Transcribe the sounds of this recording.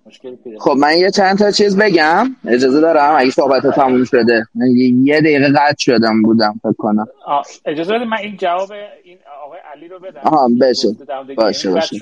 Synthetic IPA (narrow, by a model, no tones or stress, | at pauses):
xob̚mænjet͡ʃʰænd̪t̪ʰɒt͡ʃʰiːzbe̞ɟæme̞d͡ʒɒːzed̪ɒːɾæmæɟesohbæt̪ʰɒt̪ʰæmuːmʃo̞d̪emænejed̪æjiːɣeɣæt̪ʃod̪æmbuːd̪æmfe̞kʰːo̞næmed͡ʒɒzebed̪imænind͡ʒævɒbe | ʔːɦɒːbeʃebɒːʃebɒːʃe